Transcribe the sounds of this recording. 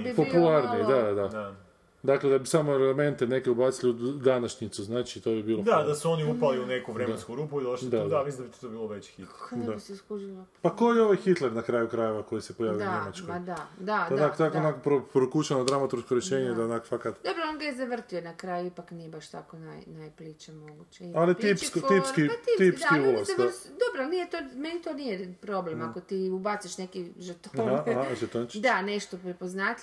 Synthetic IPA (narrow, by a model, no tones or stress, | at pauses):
bipopulˠaɾnid̪ad̪ad̪ad̪ | d̪akled̪abisamo̞eleme̞nt̪ene̞keubaːt̪silid̪anaʃɲit̪suznaːt͡ʃit̪obibiːlˠod̪ad̪asuoniupaliunekuʋɾemnskuɾuːpuid̪oʃldid̪ad̪amisind̪abit̪t̪obiːlˠoʋet͡ɕxit̪d̪asskuʒilopako̞jeo̞ʋajxit̪le̞ɾnakɾaːjukɾaje̞ʋako̞jisepojaːʋijɲemat͡ʃkod̪ad̪ad̪anakot̪akoonakopɾopɾokut͡ʃanod̪ɾamat̪uɾskoɾjeʃeːɲed̪aonakofakat̪d̪o̞bɾoonɡajezaʋr̩t̪ionakɾaːjuipaknijebaʃt̪akonajnajplit͡ʃemoɡut͡ɕeialit̪ipkot̪iskiait̪iːpsd̪akiulˠozaod̪obɾonijet̪omenit̪oːnijepɾoblemakot̪iːubat̪seʃnekiʒrt̪oaʒet̪ont͡ʃid̪aneʃt̪opɾepoznaːt̪